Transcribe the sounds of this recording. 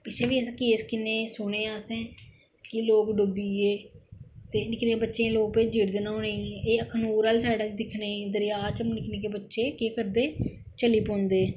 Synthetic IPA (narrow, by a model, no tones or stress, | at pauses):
pɪt͡ʃʰeːbiːɛskeːskɪnẽːsʊɽ̃eːãːsẽː | kɪloːkɖʊbiːeːt̪eːnɪkʰneːbətːʃẽːloːɡ̚peːd͡ʒiːɾd̪eːnaːoːnẽːeːəkʰnuːɾəːlsaːɖaːt͡ʃd̪ɪkʰnẽːd̪əɾɪjaːt͡ʃəmnɪkʰneːkeːbətːʃeːkeːkəɾd̪eː | t͡ʃəliːpõːnd̪eː